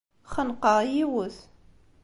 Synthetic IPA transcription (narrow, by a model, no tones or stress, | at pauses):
χənqəʁjiwəθ